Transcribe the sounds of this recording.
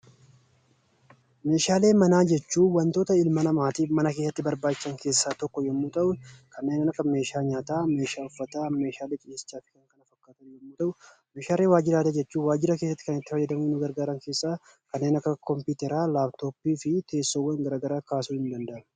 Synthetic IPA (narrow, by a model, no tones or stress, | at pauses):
me̞ːʃaːle̞ːmɐnaːd͡ʒɛt͡ʃːuːwɐnt̪o̞ːt̪ɐɪlmɐnɐmaːt̪iːfmɐnɐke̞ːsːɐt̪ːɪbɐɾbaːt͡ʃːɪ̥sɐŋke̞ːsːaːt̪ɔkːɔjɛmːuːt̪ʼɐʔʊkʰɐnːe̞ːnɪnɐkːɐme̞ːʃaːɲaːt̪aːme̞ːʃaːʊfːɐt̪aːme̞ːʃaːleːt͡ʃʼɪjeːsɪ̥t͡ʃːaːfɪ̥kɐŋkɐnɐfɐkːaːt̪ɐnjɛmːuːt̪ʼɐʔʊ | meːʃaːle̞ːwaːd͡ʒɪɾaːd̪ɐd͡ʒɛt͡ʃːuːwaːd͡ʒɪɾɐke̞ːsːɐt̪ːɪ̥kɐnɪt̪ːɪfɐjɐd̪ɐmʊnːʊɡɐɾɡaːɾɐŋke̞ːsːaː | kɐnːeːnɐkːɐkɔmpuːt̪ɛɾaːlaːbt̪o̞ːpːiːfɪt̪e̞ːsːowːɐŋɡɐɾaːɡɐɾaːkaːsuːhɪnd̪ɐnd̪ɐʔɐ